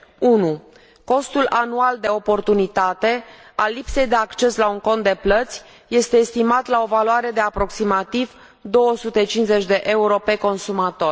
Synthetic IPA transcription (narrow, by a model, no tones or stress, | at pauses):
unu | ko̞st̪ulʔanuald̪e̞o̞po̞rt̪unit̪at̪e̞alːipse̞jd̪e̞akt͡ʃe̞slauŋko̞nt̪d̪e̞plət̪sʲ | je̞st̪e̞ːst̪imat̪lao̞valuaɾe̞d̪e̞apɾo̞ksimat̪iv | d̪o̞wəsut̪e̞t͡ʃinze̞t͡ʃʲd̪e̞ʔe̞uɾo̞pe̞ko̞nsumat̪o̞r